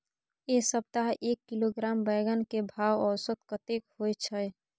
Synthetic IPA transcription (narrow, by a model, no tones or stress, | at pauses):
esəb̚t̪aɦʔeːkːiloɡɾaːmbəɪɡənkebʱaːwɔsət̪kət̪ekhojt͡ʃʰəj